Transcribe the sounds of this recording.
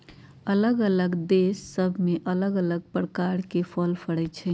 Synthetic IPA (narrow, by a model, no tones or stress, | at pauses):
ələɡələɡd̪esːəbʱmeʔələɡələɡ̚pɾəkaɾkepʰəlpʰəɽɛt͡ʃʰɛ